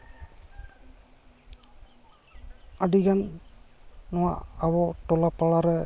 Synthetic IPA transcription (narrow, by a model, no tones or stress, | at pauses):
adiɡanː | ɔwa̰ʔaβɔtɔlapalaɾɛ